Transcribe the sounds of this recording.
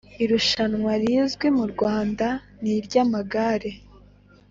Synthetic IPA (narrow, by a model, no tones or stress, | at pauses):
iɾuʃanŋwaɾiːzɡwe̞muɾɡwaːnda | niɾɟamaɡaɾe̞